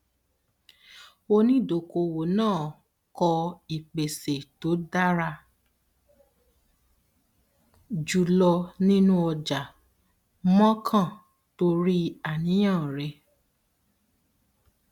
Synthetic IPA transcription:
o˧nĩ˦˨do˨ko˧wo˨˦nãː˦˨ | kɔ˧i˨k͡pe˨se˨to˨˦da˦ɾa˧ | d͡ʒu˨lɔ˧nĩ˦nũ˦ɔ˧d͡ʒa˨ | mɔ̃˦kʰã˦˨ | to˧ɾi˦a˨nĩ˨˦j̃ã˦˨ɾɛ˧˨

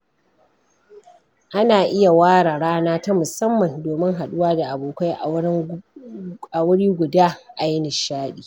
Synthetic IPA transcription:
ʔa˦naː˨ʔɪ˦ja˨waː˦ɽaː˨ɽaː˦naː˦ta˦mʊ˨sɐ˦mːɐ˨ndoː˨mɪ˦ŋɦa˨ɗʊ˦waː˦da˨ʔa˨boː˨kʷa˦jʔ | a˨wʊ˦ɽiː˦ɡʷʊ˨daː˦ʔa˨jɪ˦nɪ˨ʃaː˦ɗiː˨

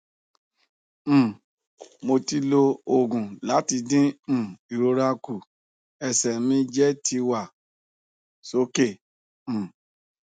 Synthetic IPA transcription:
mo˧ti˧lo˧o˦˨ɡũ˨la˨˦ti˧dĩ˦˨i˨ɾo˧ɾa˧ku˨ | ɛ˨sɛ˨mĩ˧d͡ʒɛ˦ti˧wa˦˨ | so˨˦kẽ˦˨

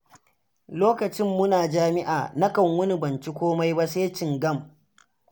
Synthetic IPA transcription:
loː˦kɐ˨t͡ʃɪ˦mːʊ˦naː˨d͡ʒaː˦mɪ˦ʔa̰ː˨na˦kɐ˨ŋwʊ˦ni˦bɐ˨nt͡ʃi˦kʷoː˦ma˦jba˦seː˦t͡ʃɪ˨ŋɡɐ˦˨m

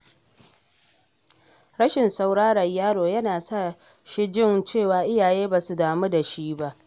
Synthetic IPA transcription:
ɾɐ˦ʃɪ˨nsa˦˨wɽaː˦ɽɐ˨ɲjaː˦ɽoː˨jɐ˦naː˨sa˦˨ | ʃɪ˦d͡ʒɪ˦nt͡ʃeː˦˨waː˨ʔɪ˦jaː˨jeː˦baː˨su˨daː˨mu˦da˨ʃi˦ba˦ʔ

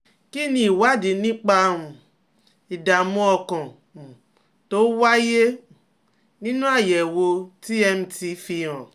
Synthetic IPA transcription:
ki˦nĩ˧i˨wa˦di˨nĩ˦k͡pa˧ũ˨ | i˨da˨mũ˦ɔ˧kɔ̃˨ | to˦wa˦je˦ | nĩ˦nũ˦a˦˨jɛ˨wo˧ti˦ɛ˧m̩˧ti˧fi˧ɾɔ̃˨

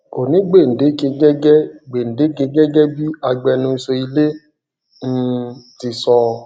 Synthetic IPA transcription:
o˨nĩ˨˦ɡ͡be˦˨n̩˨de˨˦ke˧ɡɛ˦ɡɛ˦˨ɡ͡be˨n̩˨de˨˦ke˧ɡɛ˦ɡɛ˦bi˦a˧ɡ͡bɛ˧nũ˧i˧sɔ˧i˧le˦ | n̩˦˧ti˧sɔ˧

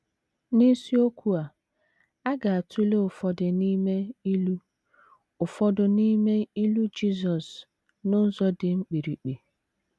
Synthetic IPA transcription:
ni˦si˦o˦kʰʷu˦a˨ | a˦ɡa˨a˨tʰu˦le˦ʊ˨fɔ˦dɪ˨ni˦me˦i˦lu˦ | ʊ˨fɔ˦dʊ˨ni˦me˦i˦lu˦d͡ʒi˦˨zɔ˨s | nʊ˦n̩˦zɔ˦dɪ˨ŋ͡m̩˦k͡pi˨ɾi˨k͡pi˨

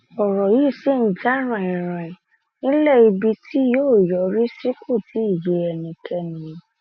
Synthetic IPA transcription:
ɔ˨ɾɔ˨ji˦˨si˦˨n̩˦d͡ʒa˦ɾ̃ã˨ĩ˨ɾ̃ã˨ | nĩ˦lɛ˦˨i˧bi˧tʰi˦joː˦˨jɔ˨˧ɾi˦si˦kʰo˦˨ti˨˦i˦˨je˧˦ɛ˧nĩ˧˨kɛ˧nĩ˧˦

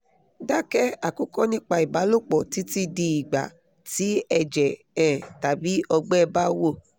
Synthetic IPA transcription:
da˦kɛ˦a˨ku˦kɔ˦nĩ˦k͡pa˧i˨ba˨˦lo˦k͡pɔ˨ti˨˦ti˦di˧i˨ɡ͡ba̰˨ | ti˨˦ɛ˧d͡ʒɛ˨ | ɛ̃˨ta˨bi˨˦ɔ˧ɡ͡bɛ˦˧ba˦wo˦˨

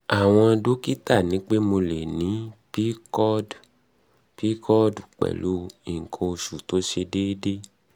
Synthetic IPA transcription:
a˨w̃ɔ̃˧do˦ki˦ta˦˨nĩ˨˦k͡pe˦mo˧le˨nĩ˨˦pi˦kɔ˦d | pi˦kɔ˦du˨k͡pɛ̰˨lu˦i˨ŋ̩˨kʰo˧ʃu˨to˨˦ʃe˧de˦de˦

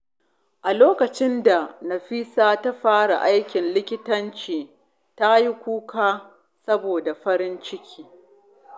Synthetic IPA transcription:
ʔa˨loː˦kɐ˨t͡ʃɪ˦nda˨nɐ˨ɸiː˦saː˦ta˦ɸaː˦ɽa̰˨ʔa˦jkʲɪ˨nlɪ˦kʲɪ˦tɐ˦nt͡ʃiː˨ | ta˦ji˦kʷuː˦kaː˦ | sɐ˦boː˨da˨ɸɐ˦ɾɪ˦nt͡ʃɪ˦kʲʰiː˦

